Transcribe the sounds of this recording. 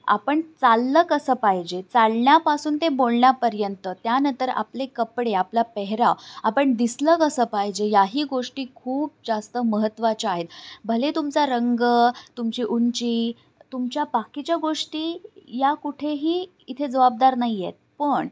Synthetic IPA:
a̰pəɳt͡salːəːkəsəːpaɦid͡ʑet͡salɳjapasuːnt̪ẽbolɳjapəɾjənt̪ət̪janənt̪əɾa̰plekəpɽeaplapɛɦɾaapəɳd̪isləkəsəːpaɦid͡ʑejaɦiːɡoʂʈiːkʰuːp̚d͡zast̪əməɦət̪ːʋat͡ɕaaɦet̪bʱəlet̪umt͡saɾəŋɡət̪umt͡ɕiːʔunt͡ɕiː | t̪umt͡ɕjabakit͡ɕjaɡoʂʈiːjakuʈʰeɦiː | it̪ʰed͡zəʋab̚d̪aɾnaɦijet̪̚pəɳ

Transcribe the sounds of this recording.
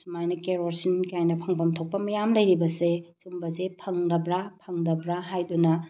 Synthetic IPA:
sumajnɐkeɾoɾsinkajnɐpʰɐŋbɐmtʰok̚pɐmɐjamlɐjɾibɐsesumbɐzepʰɐŋdɐbɾapʰɐŋdɐbɾaɦajdunɐ

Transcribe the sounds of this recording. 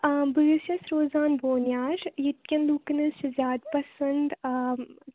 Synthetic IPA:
bɨɾisjɐsɾoːzaːnboːnjaːɾjit̪̚kʲɐnluːknɐʃɐzʲaːd̪pɐsɐnd̪

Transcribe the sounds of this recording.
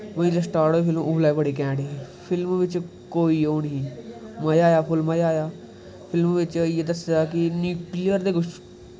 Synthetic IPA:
məĩːləsʈaːɾoːeːpʰɪlmʊblaːebəɽiːkɛ̃ːɖeː | pʰɪlmʋɪt͡ʃ | koːiːoːnɦĩːməjaːjaːpʰʊlmajaːjaː | pʰɪlmʋɪt͡ʃjeːd̪əsjaːkɪnjuːklijəɾd̪eːkʊt͡ʃʰ

